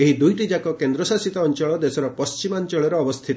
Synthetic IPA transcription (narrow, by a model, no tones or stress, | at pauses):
eɦid̪ujʈid͡ʒakɔkend̪ɾɔsasit̪aɔnt͡ʃɔɭɔd̪esɔɾɔpɔst͡ʃimaɲt͡ʃɔɭɔɾɔːbɔst̪ʰit̪ɔ